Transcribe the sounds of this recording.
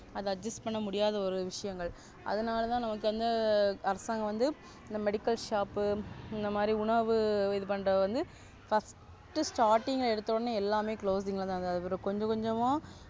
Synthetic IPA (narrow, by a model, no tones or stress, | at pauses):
ɐðɯɐd͡ʒɐsʈpɐɳːɐmʊɽɪjaːðɐɔɾɯʋɪʂɐjɐŋɡɐɭ | ʔɐ̰ðɐnaːlɐt̪ãːnɐmɐk̬ːɯʋɐnd̪ɐɐɾɐsaːŋɡɐ̃ʋɐnd̪ɯ | ɪnd̪ɐmɛɽɪkːɐlʂaːpːɯɪnd̪ɐmaːd̪ɾiʊɳɐʋɯɪðɯpɐɳːɾɐʋɐnd̪ɯ | fɐs | ʈːɯsʈaːɾʈːɪŋɡɐɛɽɯt̪ːɯɾoːɽnːɯɛlːaːmeːkɭoːsðiːŋɡɐɭɐãːd̪ɯɐðɐpɐɾɐkɔɲd͡ʒɐ̃kɔɲd͡ʒɐmãː